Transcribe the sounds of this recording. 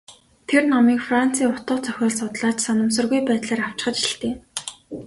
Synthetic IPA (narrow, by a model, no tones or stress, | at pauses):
t̪ʰernɔmiːkfran̥t͡sʰiːŋʊt̪ə̆ːχt͡sʰœxʲɔːɮsʊt̪ɮaːt͡ɕsanə̆ms̬ə̆rɣujpæːt̪ɮaːɾaw̥t͡ɕɪ̥̆χə̆t͡ɕiɬt̪eː